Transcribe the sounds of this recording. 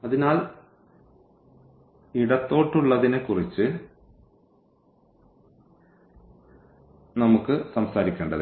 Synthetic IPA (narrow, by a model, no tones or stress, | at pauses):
ɐðinaːl | iɽɐt̪ːo̞ːʈːuɭːɐðinɨkːurit͡ɕːɨ | nɐmukːɨsɐmsaːɾikʲːeːɳɖɐðɨ